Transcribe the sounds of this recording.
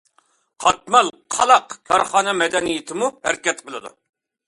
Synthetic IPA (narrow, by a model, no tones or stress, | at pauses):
qʰɑt̪̚mɑlˠqʰɑlˠɑqkʲʰɑɾχɑːnɛmɛd̪ɛnijɪt̪ʰɪmuhæɾɪkʲɛt̪̚qʰəlˠɨd̪ṵ